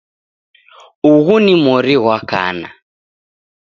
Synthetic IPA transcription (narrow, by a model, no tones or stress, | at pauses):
uɣunimɔɾiɣwaka̰na̰